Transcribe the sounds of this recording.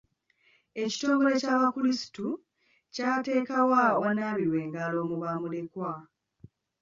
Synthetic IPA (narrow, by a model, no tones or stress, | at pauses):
e̞ci̥to̞ːmɡo̞ɾe̞caːβakulisi̥tu | caːte̞ːkawawanaːβiɾwe̞ːŋɡalo̞ːmuβamule̞kwa